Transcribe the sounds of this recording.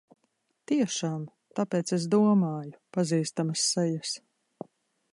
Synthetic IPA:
t̪iɛʃaːm | t̪apeːt̪ses̬d̪uɔmaːjupaziːst̪amɐsːɛjɐs

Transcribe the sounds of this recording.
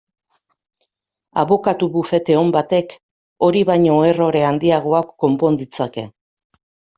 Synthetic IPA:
a̰βo̞kat̪uβufe̞t̪e̞o̞mbat̪e̞k | o̞ɾiβajɲo̞ero̞ɾe̞and̪iaɣ̞o̞akːo̞mpo̞nd̪it͡sake̞̰

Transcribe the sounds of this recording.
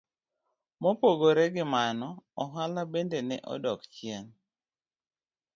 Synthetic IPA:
mopoɡoɾɛɡɪmanɔɔɦalabendenɛ̰ʔɔ̰dɔkt͡ʃɪɛn

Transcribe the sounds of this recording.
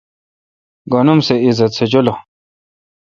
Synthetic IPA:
ɡonumseizɐt̪sʰed͡ʑolo

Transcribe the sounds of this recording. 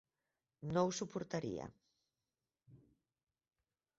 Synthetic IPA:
nõwsupoɾt̪aɾḭɐ̰

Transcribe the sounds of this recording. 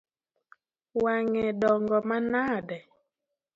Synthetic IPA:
waŋɛɗɔŋɡɔmanaːɗɛ

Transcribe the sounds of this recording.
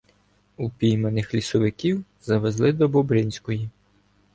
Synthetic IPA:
upʲijmenɪxlʲisɔʋɪkʲiw | zɐʋezlˠɪd̪ɔbɔbɾɪnʲsʲkɔji

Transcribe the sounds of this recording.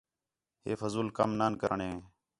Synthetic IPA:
ɦeːfəzuːlkəmnaːnkəɾəɳɦẽː

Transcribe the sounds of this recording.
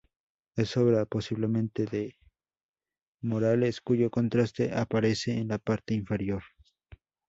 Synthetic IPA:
esoβɾaposiβlemẽnt̪eðe | moɾaleskuʝokont̪ɾast̪eʔapaɾeseːnlapaɾt̪eiɱfe̞ɾjoɾ

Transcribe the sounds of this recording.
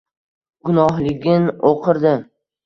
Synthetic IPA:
ɡʊnɒɦlɪɡʲɪnoqʰɨɾd̪ɪ

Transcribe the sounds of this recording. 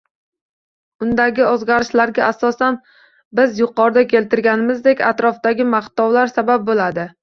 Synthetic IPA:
ʊnd̪aɡʲɪozɡʲaɾɪʃlaɾɡʲaʔasɒsan | bɪzjʊqɒɾd̪akʲʰe̞lt̪ɪɾɡʲanɪmɪzd̪ekʲa̰t̪ɾɒfd̪aɡʲɪmaht̪ɒwlaɾsabap̚bolad̪ɪ

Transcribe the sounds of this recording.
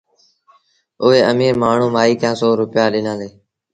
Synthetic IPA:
ʊɦeːəmiːɾmaːɳ̤ũːmaːiːk̪jãːsoːɾʊpɪjaːɗɪnãːleː

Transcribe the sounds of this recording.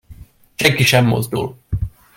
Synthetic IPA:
ʃɛŋkiʃɛmːo̰zd̪ṵl

